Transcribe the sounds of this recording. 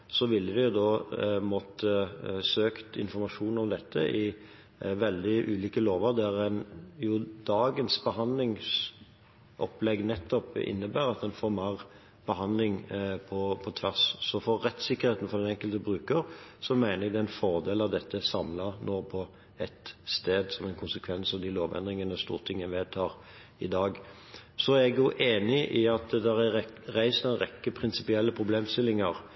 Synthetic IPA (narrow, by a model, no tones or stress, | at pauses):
sɔʋɪlːəʋɪjʊd̪ɔmɔt̪ːəsøːkt̪ɪ̰nfɔɾmɑʂuːnɔmd̪ɛt̪ʰːəʔɪ | ʋɛld̪ɪʔʉːliːkəloːʋəɾd̪ɛæɾænjʊd̪̥ɑːɡənsbəɦɑnd̪lɪŋs | ʔɔplɛɡnɛt̪ʰːɔpɪ̰nːəbæːɾɑt̪̚d̪ɛnfɔɾmɑʁ | b̥əɦɑnd̪lɪŋpʰɔpʰɔt̪ʰʋæʁssɔfɔɾːɛt̪sɪkːəɾheːt̪ən̩fɔʁd̪ɛnɛŋkəlt̪əbɾʉːkəɾsɔmæɪnəɾɛɡd̪ɛɪnfɔʁd̪eːlɑʋd̪ɛt̪ːəsɑmlɑnoːpʰɔ | ɛt̪st̪eːd̪sɔmɛɪnkʰʊnsəkʰʋɛnsɔd̪ɪloːʋɛ̰nd̪ɾɪŋənəst̪ṵːʁt̪ʰɪŋːənʋeːd̪t̪ʰɑːɾ | ɪd̪ɑːɡ | sɔæɾɛɡjʊʔeːnɪʔɪɑt̪d̪æɾæɾæɪsnɛnʁɛkːəpʰɾɪnsɪ̥pɪɛlːəpʰɾʊbleːmst̪ɪlːɪŋəɾ